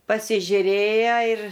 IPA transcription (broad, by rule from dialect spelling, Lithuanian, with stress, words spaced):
pɐsʲɪʒʲʊˈrʲeːjɛ ɪr